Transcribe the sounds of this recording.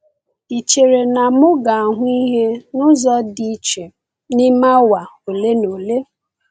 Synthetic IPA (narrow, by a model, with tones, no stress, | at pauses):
i˨t͡ʃe˨ɾe˨na˨mʊ˦ɡa˨a˨ɦʊ˦i˦ɦe˦nʊ˦zɔ˦di˦t͡ʃe˨ | ni˦ma˦wa˨o˨le˦no˨le˦